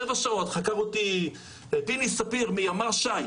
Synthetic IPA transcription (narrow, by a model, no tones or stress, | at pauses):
evaʃaot̪χakaʁoti | epinisapiʁmiamaʁʃaj